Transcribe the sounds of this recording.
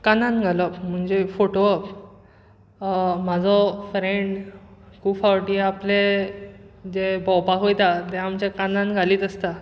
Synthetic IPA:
kanãnɡʱalɔpm̤əɳd͡zefoʈoəp | m̤ad͡zʱɔfɾeɳɖkuːbfawʈiaple | d͡ʑebɔ̃wpaɦojt̪at̪ɛamt͡ɕjakanãnɡʱaliːt̪əst̪a

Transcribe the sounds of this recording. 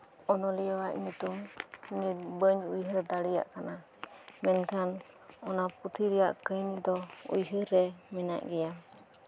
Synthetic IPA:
ɔnɔlɛjawaʔɲut̪umniɾbəɲujɦəd̪aɽija̰ʔkana | mɛnkʰan | ɔnaput̪ʰiɾɛjaʔkəjnid̪ɔṵjɦəɾɛmɛna̰ʔɡɛjam

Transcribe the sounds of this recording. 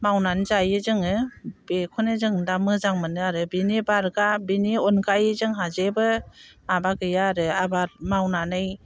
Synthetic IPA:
mawnanzajɯzɯŋɯb̥ekʰɔnɯzɯŋdamɯzaŋmɯnɯaɾɯbinibaɾɡabiniɔnɡajɯzɯŋɦazebɯmabaɡɯjaɾɯabaɾmawnanɯj

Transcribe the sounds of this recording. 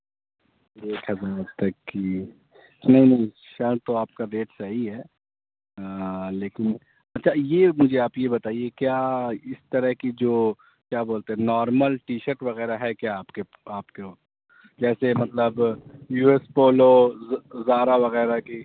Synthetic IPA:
eːkɦɐzaːɾt̪ɐkːi | nɐɦĩnɐ̃ɦĩ | ʃɐɾt̪oaːp̚kaɾeːʈsɐɦiɦɛː | leːkɪn | ɐtːʃʰajemʊd͡ʒʱeaːpjebɐt̪aːiekjaːɪst̪ɐɾəɦkid͡ʒoː | kjaːboːlt̪eɦɛ̃nɔːɾməlʈiːʃəɾʈʋɐɣɛːɾaɦɛkjaːpke | aːpkeo | d͡ʒɛːsemɐt̪ləbjuːespoːlo | zaːɾaʋɐɣɛːɾaki

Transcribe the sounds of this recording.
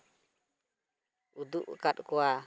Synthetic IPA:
ud̪uʔkaɗkɔa

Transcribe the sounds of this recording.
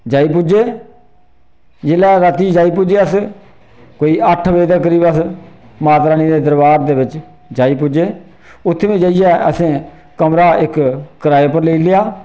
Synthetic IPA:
d͡ʒaːiːp̬ʊd͡ʒeː | d͡ʒeːlɛːɾət̪iːd͡ʒaːiːpʊd͡ʒeːəs | koːiːəʈʰʋeːd̪əːkəɾiːbəs | maːt̪ɾaːniːd̪eːd̪əɾbaːɾd̪eːbɪt͡ʃ | d͡ʒaːiːp̬ʊd͡ʒeː | ʊt̪ʰːeʋĩːd͡ʒaːijɛːəsẽː | kəmɾaːʔɪkkəɾaːeːpəɾleiːlɪjaː

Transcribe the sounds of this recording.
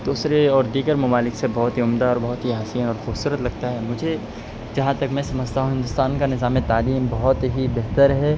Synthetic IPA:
d̪uːsɾeɔːɾd̪iːɡəɾmɐmaːlɪksebɔɦʊt̪ɦiʊmd̪aɔːɾbɐɦʊt̪ɦiɦasijənɔːɾxubsuːɾət̪lɐɡt̪aɦɛmʊd͡ʒʱe | d͡ʒɐɦãt̪ɐkmɛ̃sɐməd͡ʒt̪aːɦũɦɪ̃nd̪ʊst̪aːnkanɪzaːmẽt̪aːliːmbɐɦʊt̪ɦibeɦt̪əɾɦɛː

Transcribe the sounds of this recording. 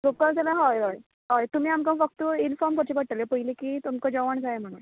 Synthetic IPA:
ɡokəlt̪alaɦɔjɦɔj | ɦɔjt̪um̤iːamkãfək̚t̪əinfɔɾmkəɾt͡ɕipəɽ̚t̪alepəɦilikit̪umkə̃d͡ʑəʋəɳd͡zaem̤əɽ̃u

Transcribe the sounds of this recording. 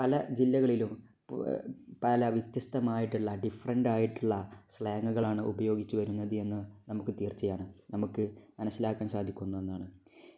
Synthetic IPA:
pɐlɐd͡ʑilːɐɣɐɭilum | pɐlɐʋjit̪jɐst̪ɐmaːjiʈːuɭːɐɖifɐrɐɳɖaːjiʈːuɭːɐsɭɐjɐŋːɡɐɣɐɭaːɳɨʔubɐjo̞ːɡit͡ɕːuʋɐɾunːɐðɨe̞nːɨnɐmukːɨt̪iːrt͡ɕːɐjaːɳɨnɐmukːɨmɐnɐsːilaːkːaːnsaːd̪ʱikʲːunːɐenːaːɳɨ

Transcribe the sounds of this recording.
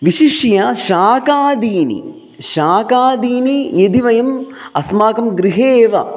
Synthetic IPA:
ʋiʃiʂjɐʃaːkaːd̪iːnḭ | ʃaːkaːd̪iːnijɐd̪iʋɐjɐm | ɐsmaːkɐmɡɾiɦeːʋɐ̰

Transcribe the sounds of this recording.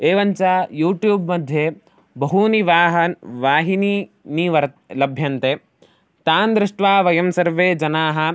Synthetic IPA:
eːʋɐɲt͡ʃaːjuːʈjuːbmɐd̪ʱjeː | bɐɦuniʋaːɦɐnʋaːɦini | niʋɐ | lɐbʱjɐnt̪eː | t̪aːnd̪ɾɪʂʈʋaːʋɐjɐmsɐɾʋeːd͡ʒɐnaːɦɐ̆

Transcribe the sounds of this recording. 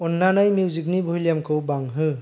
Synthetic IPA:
ɔnːanajmjuwzik̬̚nibʱojljamkʰɯwbaŋɦɯ

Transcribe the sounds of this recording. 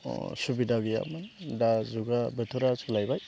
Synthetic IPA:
subidaɡija̰mɯndazuɡabɯtʰuɾasɡlajbaj

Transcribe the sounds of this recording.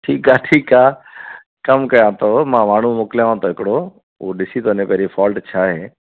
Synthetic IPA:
ʈʰiːkaːʈʰiːkaː | kəmkəjãːt̪ʰoːmãːmaːɳ̤ũmʊːkljãːãːt̪oːɦɪkɽoː | oːɗɪsiːt̪oːneːpɛɾiːfaːlʈt͡ʃʰaːɦeː

